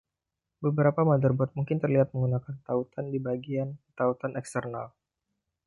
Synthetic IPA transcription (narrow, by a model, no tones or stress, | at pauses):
bəbəɾapamadərbɔt̪̚muŋkɪnt̪ərliɦat̪̚məŋɡunakant̪aut̪andibaɡiant̪aut̪anɛkst̪ərna̰l